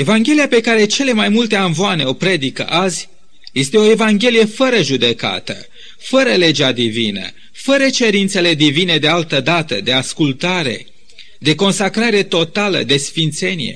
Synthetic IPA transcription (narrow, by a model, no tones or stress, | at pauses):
e̞vaŋɡʲe̞lijape̞kaɾe̞t͡ʃe̞le̞majmult̪e̞aɱvoane̞o̞pɾe̞d̪ikə̰ʔazʲ | je̞st̪e̞o̞e̞vaŋɡʲe̞lije̞fəɾəʒud̪e̞ka̰t̪ə̰ | fəɾəle̞d͡ʒad̪ivinə̰ | fəɾət͡ʃe̞ɾint̪se̞le̞d̪ivine̞d̪e̞alt̪əd̪at̪əd̪e̞askult̪aɾe̞̰ | d̪e̞ko̞nsakɾaɾe̞t̪o̞t̪alə̰d̪e̞sfint̪se̞nije̞̰